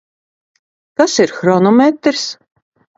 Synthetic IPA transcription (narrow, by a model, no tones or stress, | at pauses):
kasiɾxɾɔnɔmʲet̪ɾs